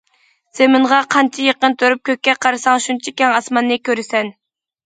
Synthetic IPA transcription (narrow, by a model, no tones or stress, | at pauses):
z̥emɪɴʁɑqʰɑnt͡ʃʰijeqənt̪ʰøɾyp̚kʲøk̚ʲːɛqʰɑɾɨsɑŋʃunt͡ʃʰikʲɛŋɑsmɑnːɨkʲʰøɾɪsɛn